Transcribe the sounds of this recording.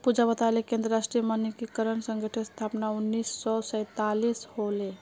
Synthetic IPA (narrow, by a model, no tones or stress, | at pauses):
pud͡ʒabət̪alekẽnd̪ɾəɾasʈɾijəmanikekəɾənsə̃ŋɡəʈʰest̪ʰapnaunːisːɔsə̃t̪alishole